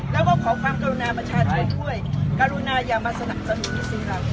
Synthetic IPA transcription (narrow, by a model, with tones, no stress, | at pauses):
lɛ˦˥wka˧kʰɔː˩˦kʰwaː˧mkaː˧ɾu˧naː˧pa˧t͡ɕʰaː˥˩t̪̚ʰa˧˩tʰu˥˩əjkaː˧ɾu˧naː˧jaː˨˩maː˧sa˧na˨˩p̚sa˧nu˨˩˦iː˦˥˩siː˧˩ɾa˦˥k̚